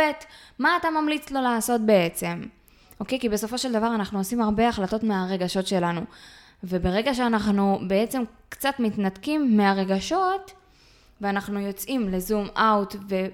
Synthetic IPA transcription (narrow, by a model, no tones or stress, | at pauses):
etmaːtamamlit͡slo̞laːso̞t̚be̞et͡se̞m | o̞ke̞jkibe̞so̞fo̞ʃe̞ld̪avaʁanaχnuosimaʁbe̞aχlato̞tmeaʁe̞ɡaʃo̞tʃe̞lanu | ve̞be̞ʁe̞ɡaʃeanaχnube̞et͡se̞m | kt͡satmitnatkimːeaʁe̞ɡaʃo̞t | veanaχnujo̞t͡sʔimle̞zumawtve̞